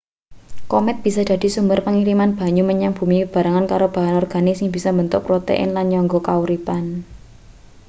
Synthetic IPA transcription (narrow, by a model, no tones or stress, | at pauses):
komɛt̪̚b̥i̤sad̥a̤d̪̥i̤sumbərpəŋiɾimanb̥a̤ɲuməɲaŋb̥ṳmikəb̥a̤ɾaŋankaɾob̥a̤ɦanɔrɡ̥a̤nɪsɪŋbisambənt̪ʊpɾot̪ḛʔɪ̰nlanɲɔŋɡɔkauɾipan